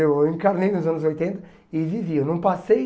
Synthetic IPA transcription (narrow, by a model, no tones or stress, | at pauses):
ewẽŋkaɾnejnʊzɐ̃nʊzojt̪ẽnt̪ɐ | ɪviviewnɐ̃w̃pase